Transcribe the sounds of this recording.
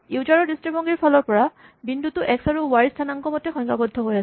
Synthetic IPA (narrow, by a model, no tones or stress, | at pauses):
ud͡ʒaɹɔɹdistɹibɔŋɡiɹpʰalɔɹpɔɹa | bindutʊʔɛksaɹuwaɹistʰanaŋkɔmɔtɛxɔŋkabɔdʱːɔɦojasɛ